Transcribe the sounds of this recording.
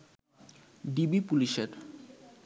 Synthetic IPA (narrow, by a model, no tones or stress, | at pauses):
ɖibipuliʃeɾ